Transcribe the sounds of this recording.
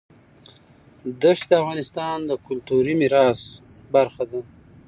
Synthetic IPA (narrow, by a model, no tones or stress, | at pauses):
d̪əʂd̪əafɣɑnɪst̪ɑnd̪əkʊlt̪uɾimiɾɑs | baɾxad̪a